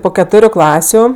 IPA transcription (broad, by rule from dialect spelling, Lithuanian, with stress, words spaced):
ˈpoː kʲɛˈtoːrʲʊ ˈklˠɑːsʲʊ